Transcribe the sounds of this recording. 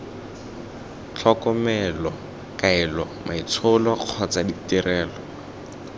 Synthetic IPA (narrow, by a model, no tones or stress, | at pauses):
t͡ɬʰɔkɔmɛlɔ | kaɛlɔ | mʔait͡sʰʊlɔq͡χʰɔt͡saditirɛːlɔ